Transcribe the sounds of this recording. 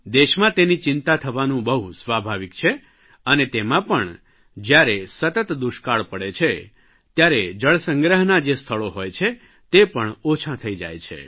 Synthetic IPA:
d̪eʃmãt̪enit͡ʃɪnt̪at̪ʰəʋanũbəɦusʋabʱaʋikt͡ʃʰe | ənet̪emãpəɳ | d͡ʒjaɾesət̪ət̪d̪uʃkaɭpəɽet͡ʃʰe | t̪jaɾed͡ʒəɭsə̃ŋɡɾəɦnad͡ʒest̪ʰəɭoɦojt͡ʃʰe | t̪epəɳot͡ʃʰãt̪ʰəid͡ʒa̰jt͡ʃʰḛ

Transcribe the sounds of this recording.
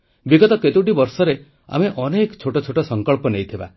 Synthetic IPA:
biɡɔt̪ɔket̪ewʈibɔɾsɔɾe | a̰meʔɔnekt͡ʃʰoʈɔt͡ʃʰoʈɔsɔŋkɔɭpɔnejt̪ʰiba̰

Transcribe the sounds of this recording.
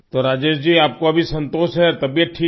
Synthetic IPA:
t̪oɾaːd͡ʒeːʃd͡ʒiːaːp̚koɐbʱisɐ̃nt̪oːsɦɛɾt̪ɐbijət̪̚ʈʰiː

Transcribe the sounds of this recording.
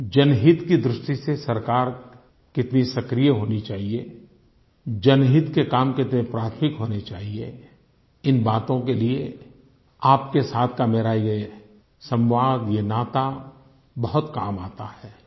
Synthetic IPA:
d͡ʒɐnɦɪt̪kid̪ɾɪʃʈisesɐɾkaːɾ | kɪt̪nisɐkɾijəɦoːnit͡ʃaːɦie | d͡ʒɐnɦɪt̪kekaːmkɪt̪nẽpɾaːt̪ʰmɪkɦoːnet͡ʃaːɦie | ɪnbaːt̪õkelie | aːp̚kesaːt̪ʰkameɾaːiɡ | sɐ̃mbaːɡjenaːt̪a | bɐɦʊt̪kaːmaːt̪aɦɛː

